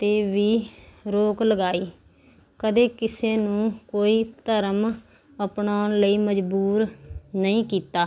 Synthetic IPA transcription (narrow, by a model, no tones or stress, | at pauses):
t̪eːʋiːɾoːkləɡaːiː | kəd̪eːkɪseːnũːkoːiːt̪əɾəm | əpnaːʊnləiːməd͡ʒbuːɾnəĩːkiːt̪aː